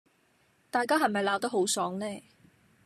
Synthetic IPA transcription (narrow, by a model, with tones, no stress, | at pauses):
t̪aː˨jkaː˥ɦɐ˨˩mɐ˨jlaː˨˥wt̪ɐ˥ho˨˥wsɔː˨˥ŋlɛː˥˩